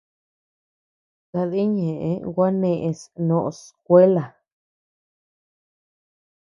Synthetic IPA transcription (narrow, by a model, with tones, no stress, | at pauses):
ka˧ði˦ɲẽ˨ʔe˦wʷa˦nẽ˧ʔẽ˧snõ˧˨ʔo˧sk̚ʷe˦la˨